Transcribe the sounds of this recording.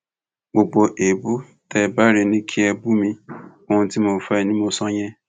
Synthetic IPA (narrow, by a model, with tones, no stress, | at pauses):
ɡ͡bo˨ɡ͡bo˨ʔe˨bu˦ | tɛ˨ba˦ɾe˨nĩ˦kʰi˦ɛ˧bu˦mĩ˧ | o˦ũ˧ti˦mo˨fa˦i˨nĩ˦mo˧sɔ̃˦ɲɛ̃˦